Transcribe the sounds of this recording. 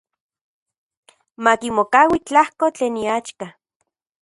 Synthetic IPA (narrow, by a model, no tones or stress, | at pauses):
makimokaːwit͡ɬahkot͡ɬeːniat͡ʃka